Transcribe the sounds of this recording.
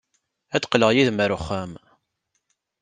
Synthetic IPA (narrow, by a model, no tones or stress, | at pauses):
æt͡sqləʁjiðməɾʊχːæm